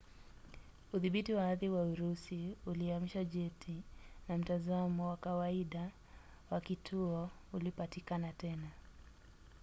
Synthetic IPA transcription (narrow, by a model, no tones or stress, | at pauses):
uðiɓitiwaaðiwauɾusiuliamiʃaʄɛtʰinam̩tazamɔwakawaiɗa | wakitʰuɔulipatikanatɛna